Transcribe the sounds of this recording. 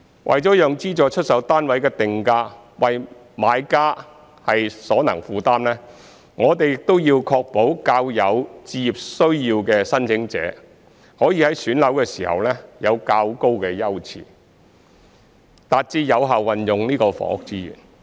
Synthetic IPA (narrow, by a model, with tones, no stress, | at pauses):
wʔɐ̰˨jt͡ʃɔː˨˥jœː˨ŋt͡siː˥t͡ʃɔː˧t͡ʃʰɵ˥t̚sɐ˨˥wt̪aː˥nwɐ˨˥jkɛː˧t̪ɪ˨ŋkaː˧˥ | wɐ˨j | maː˨˧jkaː˥ | hɐ˨jsɔː˨˥nɐ˨˩ŋfuː˨˧t̪aː˥mlɛː˥ | ŋɔː˨˧t̪e˨jɪ˨k̚t̪o˥wjiː˧wkʰɔː˧k̚po˨˥wkaː˧wjɐ˨˧wt͡siː˧jiː˨˩p̚sɵ˥ɥjiː˧wkɛː˧sɐ˥nt͡sʰɪ˨˥ŋt͡sɛ̰ː˨˥ | hɔː˨˥jiː˧hɐ˨˥jsyː˨˥nlɐ˨˥wkɛː˧siː˨˩hɐ̰˨wlɛː˥jɐ˨˧wkaː˧wko˥wkɛː˧jɐ˥wt͡sʰḭː˨ | t̪aː˨t̚t͡siː˧˥jɐ˨˧wɦaː˨wwɐ˨njʊ˨ŋniː˥kɔː˧fɔ̰ː˨˥ʊ˨˥k̚t͡siː˥jy̰ː˨˩n